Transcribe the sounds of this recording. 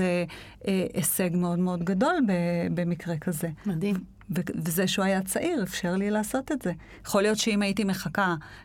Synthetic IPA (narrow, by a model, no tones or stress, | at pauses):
e | ʔeseɡme̞o̞dmeo̞dɡado̞lbebe̞mikʁekaze̞ | vevezeʃeuajat͡saʔiʁefʃeʁlilaːso̞tetz̥e̞ | jaχo̞lijo̞tʃeimajitime̞χaka